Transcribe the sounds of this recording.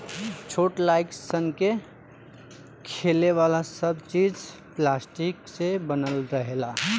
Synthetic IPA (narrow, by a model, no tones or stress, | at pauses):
t͡ʃʰoʈlajksənke | kʰeleʋalasəbt͡ʃid͡ʒ | plasʈiksebənəlɾəɦela